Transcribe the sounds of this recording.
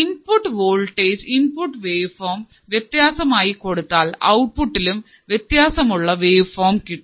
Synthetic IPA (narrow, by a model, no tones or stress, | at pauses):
inpʊʈːʋoːlʈeːd͡ʒɪnpʊʈːʋeːʋfoːm | ʋjɛt̪jaːsɐmaːjikːɔɽɯt̪ːaːlɐ̰wʊʈ̚pʊʈːɪlɯm | ʋjɛt̪jaːsɐmʊɭːɐʋeːʋfoːmkɪʈː